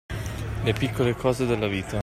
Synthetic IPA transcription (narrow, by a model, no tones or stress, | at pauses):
lepikːolekʰɔːzed̪elːaviːt̪a